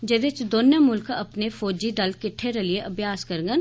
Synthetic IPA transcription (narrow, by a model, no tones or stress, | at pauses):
d͡ʒɐd̪et͡ʃd̪oːnjəmʊlkɐpnefoːd͡ʒid̪ɐlkɪʈʰːeɾɐlieʔɐbʱjaːskɐɾŋɡən